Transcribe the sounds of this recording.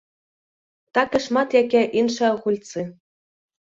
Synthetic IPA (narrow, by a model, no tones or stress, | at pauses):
t̪ɑkʲɘ̆ʃmɑt̪jækʲæʔinʃɘ̆lχulʲt͡si